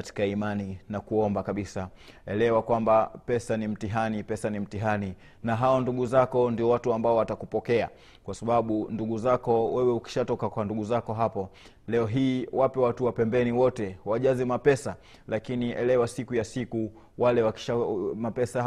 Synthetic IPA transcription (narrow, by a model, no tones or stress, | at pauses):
ati̥kaimaninakuɔmbakaɓisaɛlɛwakwambapɛsanim̩tiɦanipɛsanim̩tiɦani | naɦaɔnduɠuzakɔndiɔwatuambaɔwatakupɔkɛa̰ | kwasaɓaɓunduɠuzakɔwɛwɛuki̥ʃatɔkakwanduɠuzakɔɦapɔ | lɛɔɦiːwapɛwatuwapɛmbɛniwɔtɛwaʄazimapɛsa | lakiniʔɛ̰lɛwasikujasiku | walɛwaki̥ʃamapɛsa